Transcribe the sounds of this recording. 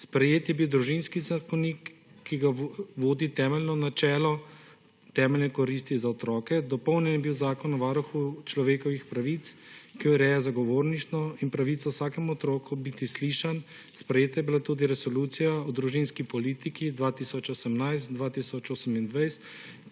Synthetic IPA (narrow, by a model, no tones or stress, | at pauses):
spɾɛjeːt̪jɛbiwd̪ɾuʒinskizakɔnikːiɡaʋoːd̪it̪ɛːmɛlnɔnat͡ʃɛːlɔ | t̪ɛːmɛlnɛkɔɾiːst̪izaɔt̪ɾɔːkɛd̪ɔpɔwnjɛnjɛbiwzaːkɔnɔʋaɾuxut͡ʃlɔʋeːkɔʋixpɾaʋit̪s | kijɔɾɛːjazaɡɔʋoːɾnit͡ʃ̪nɔinpɾaʋiːt̪sɔwsaːkɛmɔt̪ɾoːkubit̪isliːʃan | spɾɛjeːt̪ajɛbilat̪ud̪iɾɛsɔluːt̪sijaɔd̪ɾuʒinskipɔliːt̪ikid̪ʋaːt̪iːsɔt͡ʃosɛmnajst̪d̪ʋaːt̪iːsɔt͡ʃoːsɛmind̪ʋajst̪